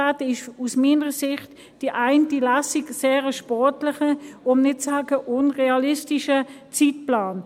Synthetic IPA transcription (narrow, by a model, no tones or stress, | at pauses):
atɪʃusmiːnəʁəsɪχt | d̥iʔaɪntilasikseːʁəʃpɔrtlɪχəʊmnɪt̚t͡saːɡəʔʊnʁeɑlɪstiʃət͡sitplaːn